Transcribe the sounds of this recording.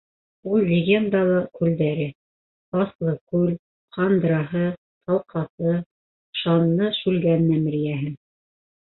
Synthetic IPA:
ulˠlʲɪɡʲe̞nd̪ɑlˠɤkʉld̪æɾɘ | ɑθlˠɤkʉl | χɑnd̪ɾɑɦɤ | t̪ʰɑlˠqʰɑθɤ | ʃɑnːɤʃʉlɡænnæmɘ̆ɾijæɦɘŋ

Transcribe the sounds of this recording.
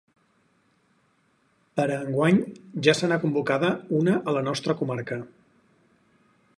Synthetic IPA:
pəɾəːŋɡwaɲʒasənakumbukaðəunəʔələnɔst̪ɾəkumaɾkə

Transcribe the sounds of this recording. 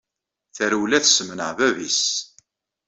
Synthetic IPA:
θəɾuwlæθsmənəʁvævis

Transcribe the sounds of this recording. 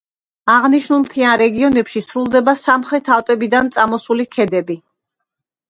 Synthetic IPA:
aʁniʃnulˠmt̪ʰianɾɛɡiɔnɛpʃisɾulˠd̪ɛbasamχɾɛt̪ʰalˠpʼɛbid̪ant̪sʼamɔsulikʰɛd̪ɛbi

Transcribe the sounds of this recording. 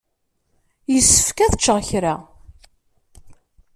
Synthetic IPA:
jəsːə̥fkæθət͡ʃːəʁçɾa

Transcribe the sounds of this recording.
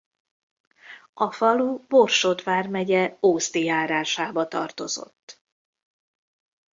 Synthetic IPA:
ʔɒfɒlubo̞rʃod̪vaːrmɛɟɛoːst̪ijaːɾaːʃaːbɒt̪ɒ̰rt̪o̞zo̞̰t̪ː

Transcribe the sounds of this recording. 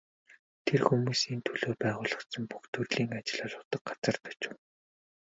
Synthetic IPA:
t̪ʰerxumuːsint̪ʰɵɮoːpæːʁʊːɮə̆χsə̆mpu̥xt̪ʰɵrɮiːŋat͡ɕɪ̆ɮaɮʊːt̪ə̆k̚ɢat͡sə̆rt̪ʰɔ̥t͡ɕɪ̆w

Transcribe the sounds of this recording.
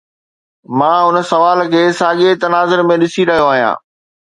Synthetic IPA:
mãːʊn̆sɐʋaːlkʰeːsaːɠet̪ɐnaːzʊɾmẽɗɪsiɾɐɦijoaːɦijã̰ː

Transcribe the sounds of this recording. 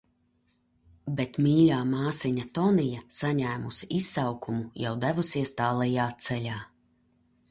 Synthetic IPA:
bɛt̪miːɾaːmaːsiɲat̪ɔnijasaɲæːmusiisːawkumujawd̪ævusiɛst̪aːlˠɛjaːt̪sɛlʲaː

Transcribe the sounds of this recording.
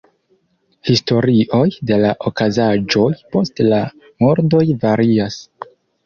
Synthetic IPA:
histo̞ɾiʔo̞jde̞laʔo̞kazad͡ʒo̞jpo̞stla | mo̞ɾdo̞jvaɾias

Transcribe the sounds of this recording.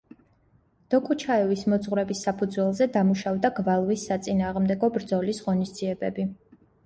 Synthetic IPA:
d̪̥ɔkʼut͡ʃʰaɛvismɔd̪zʁwɾɛbisːapʰud̪zwɛlˠzɛd̪amuʃavd̪aɡvalˠvisːat̪sʼinaːʁmd̪ɛɡɔbɾd̪zɔlisʁɔnisd̪ziɛbɛbi

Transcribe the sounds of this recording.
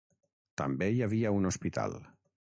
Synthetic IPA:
t̪a̰mbejaβiaunospit̪a̰lˠ

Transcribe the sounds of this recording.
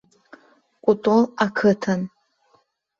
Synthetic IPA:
kʷʼʊtʼolakʰɨtʰan

